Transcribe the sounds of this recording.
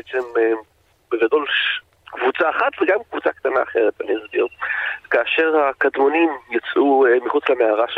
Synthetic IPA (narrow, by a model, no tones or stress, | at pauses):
et͡seme | beɡado̞lʃ | kvut͡saːχat̪veɡamkvut͡sakt̪ana̰ːχelepanimzbokaːʃe̞ʁhakadmo̞nimjot͡sʔuemiχut͡slameaʁaʃ